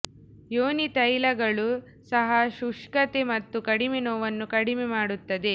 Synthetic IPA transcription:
joːnit̪ɐjlɐɡɐɭu | sɐɦɐʃuʂkɐt̪emɐt̪ːukɐɽimenoːʋɐnːukɐɽimemaːɽut̪ːɐd̪e̞

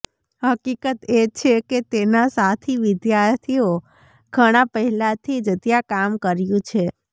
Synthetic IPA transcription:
ɦəkikət̪et͡ʃʰeket̪enasat̪ʰiʋɪd̪jaɾt̪ʰio | ɡʱəɽ̃apəɦɛlat̪ʰid͡ʒt̪jakamkəɾjũt͡ʃʰe

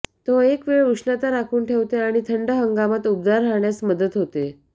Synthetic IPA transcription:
t̪oekʋeɭɾuʂnat̪aɾakʰuːnʈʰeʋt̪eaɽ̃it̪ʰəɳɖəɦəŋɡamat̪up̚d̪aɾɦaɳjasməd̪ət̪ɦot̪e

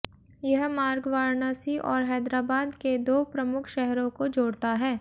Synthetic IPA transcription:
jɐɦmaːɾɡʋaːɾnaːsiʔɔːɾɦɛːd̪ɾaːbaːd̪ked̪oːpɾɐmʊkʰʃɛɦɾõkod͡ʒoːɽt̪aɦɛː

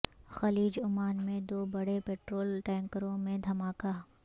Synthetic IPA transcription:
xɐliːd͡ʒʊmaːnmẽd̪oːbɐɽepeːʈɾoːlʈɛ̃ːŋkəɾõmẽd̪ʱɐmaːkaː

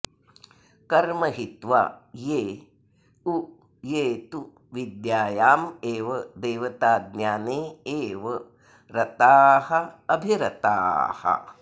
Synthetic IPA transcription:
kɐɾmɐɦit̪ʋa̰ːjeː | u | jeːt̪u | ʋid̪jaːjaːmeːʋɐd̪eːʋɐt̪aːd̪njaːneːeːʋɐ | ɾɐt̪aːhɐɐbʱiɾɐt̪a̰ːhɐ̰

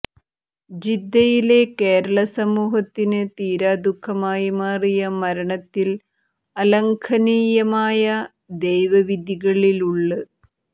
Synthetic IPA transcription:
d͡ʑid̪ːɐjile̞keːɾɐɭɐsɐmuːɦɐt̪ːinɨt̪iːɾaːd̪ukʰːɐmaːjimaːrijɐmɐɾɐɳɐt̪ːil | ɐlɐŋkʰɐniːjɐmaːjɐ | d̪ejʋɐʋid̪ʱiɣɐɭiluɭːɨ

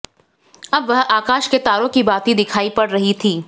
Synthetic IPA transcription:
ɐbʋɐɦaːkaːʃket̪aːɾõkibaːt̪id̪ɪkʰaːipɐɽɾɐɦit̪ʰiː

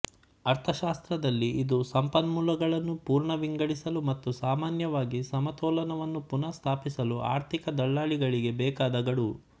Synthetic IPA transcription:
ɐɾt̪ʰɐʃaːst̪ɾɐd̪ɐlːiːd̪usɐmpɐnmuːlɐɡɐɭɐnːupuːɾɳɐʋiŋɡɐɽisɐlumɐt̪ːusaːmaːnjɐʋaːɡisɐmɐt̪ɔːlɐnɐʋɐnːupunɐst̪ʰaːpisɐlua̰ːɾt̪ʰikɐd̪ɐɭːaːɭiɡɐɭiɡe̞bɛːkaːd̪ɐɡɐɽu

